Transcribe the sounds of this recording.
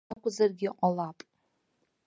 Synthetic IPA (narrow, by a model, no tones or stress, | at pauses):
akʷʰʼʊzarɡʲɪʔʷʼalapʼ